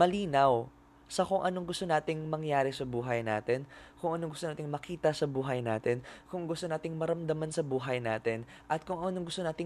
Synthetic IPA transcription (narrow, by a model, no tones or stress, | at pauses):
mɐliːnɐw | sɐkʊŋʔɐnoŋɡʊst̪onaːt̪ɪŋmɐŋjaːɾɛsɐbuːɦɐjna̰ːt̪ɛnkʊŋɐnoŋɡʊst̪onaːt̪ɪŋmɐkiːt̪ɐsɐbuːɦɐjna̰ːt̪ɛnkʊŋɡʊst̪onaːt̪ɪŋmɐɾɐmd̪ɐmansɐbuːɦɐjnaːt̪ɛn | ʔɐt̪̚kʊŋɐnoŋɡʊst̪onaːt̪ɪ